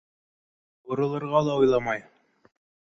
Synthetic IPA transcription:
bŏɾɤ̆lˠɤ̆ɾʁɑlˠɑujlˠɑmɑj

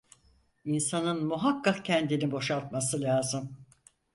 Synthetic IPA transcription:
insanɯnmuɦakːakcʰɛnd̪inibo̞ʃalˠt̪̚masɯlʲaːzɯm

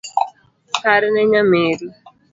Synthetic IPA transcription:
kaɾɪnɛɲameɾi

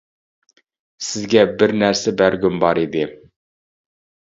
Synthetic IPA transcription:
sɪzɡʲɛbɪɾnæɾsɛbæɾɡʲynbɑɾid̪ɪ

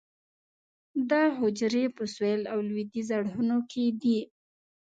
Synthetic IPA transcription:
d̪ɑɦʊd͡ʒɾepəswelawlwid̪izaɽhunokʰed̪i

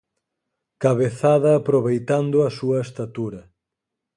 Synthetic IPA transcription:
kaβeθaðɐːpɾoβejt̪and̪ʊɐsuɐest̪at̪uɾɐ

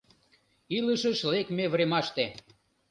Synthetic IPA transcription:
iləʃəʃlekmeβɾemɑʃt̪e

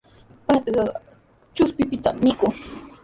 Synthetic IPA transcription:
pat̪ɢɑ | t͡ʃʊspɪpɪt̪a̰mːɪkʊŋ

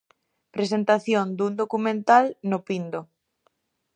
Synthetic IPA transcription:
pɾes̬ent̪aθjond̪und̪okumẽnt̪alnopind̪o

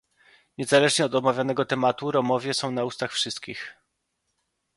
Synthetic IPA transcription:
ɲɛzalɛʐɲɛɔd̪ɔmavʲjanɛɡɔt̪ɛmat̪uɾɔmɔvʲjɛsɔ̃w̃naust̪axfʂɘst̪kʲix

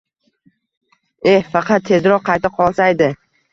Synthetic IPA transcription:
ehfɑqʰɑt̪ʰːe̞zɾɒqqʰɑjt̪ɪqʰɒlˠsajd̪ɪ

